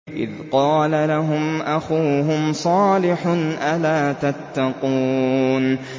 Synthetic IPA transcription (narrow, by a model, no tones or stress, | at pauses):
ʔɪ̰ðqɑːlalaɦʊmʔaxuːɦʊmsˤɑːlɪħnʔalaːt̪at̪ːɑquːn